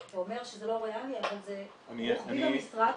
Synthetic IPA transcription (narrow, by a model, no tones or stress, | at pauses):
veome̞ʁʃezelo̞ʁealiavalze | aniinasʁa